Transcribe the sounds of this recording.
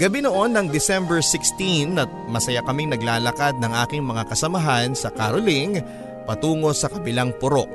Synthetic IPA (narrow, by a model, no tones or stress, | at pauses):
ɡɐbinoʔo̞nːɐŋd̪ɪsɛmbɛɹsɪkst̪inɐt̪̚mɐsɐjakɐmiŋnɐɡlaːlɐkad̪̚nɐŋʔaːkɪŋmɐŋakɐsɐmɐɦansɐkaɾʊlɪŋ | pɐt̪uːŋo̞sɐkɐbɪlaŋpʊɾo̞ʔ